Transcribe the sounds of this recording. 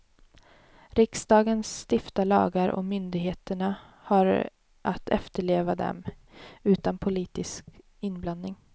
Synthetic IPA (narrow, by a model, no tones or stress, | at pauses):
ɾɪksd̪ɑːɡənst̪ɪft̪alɑ̰ːɡaɾʔɔ̰mʏnd̪ɪɡɦeːt̪əɳa | haɾ | ʔat̪ʰɛ̰ft̪əɭeːvad̪ɛ̰m | ʉ̟ːt̪anpʰʊliːt̪ɪsk | ɪnːblannɪŋ